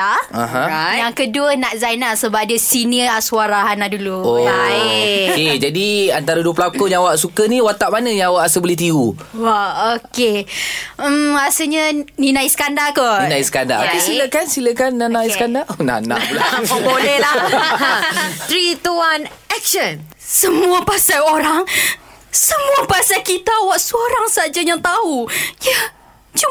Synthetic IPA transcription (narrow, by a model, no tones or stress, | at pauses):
aaãjaŋkəduənãʔzajnasəbap̚diəsiniəasuaɾaɦanaduluoa | ked͡ʒadiant̪aɾaduəp̬əlakoɲawaʔsukənĩwat̪aʔmanə̃ɲawaʔasəbəliht̪̬iuwaoke | asəɲəninaisə̥kandakɔninaisə̥kanda̰ʔa̰pisiləkansiləkanːanaisəkandaʔona̰na̰ʔpulaolɛlah | t̪ɾit̪uanɛk̚ʃən | səmuapasajoɾaŋ | səmũapasajkit̪awaʔsəoɾaŋsad͡ʒajaŋt̪aɦuja | t͡ʃu